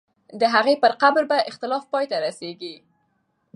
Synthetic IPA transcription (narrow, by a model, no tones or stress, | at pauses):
d̪əɦaɣepəɾqabɾbaʔɪxt̪ɪlɑfpɑjt̪aɾaseɡi